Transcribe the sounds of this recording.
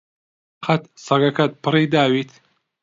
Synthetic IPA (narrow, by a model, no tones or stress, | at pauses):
qɐt̪sɐɡɐkʰɐt̪̚pʰɨriːd̪aːwiːt̪ʰ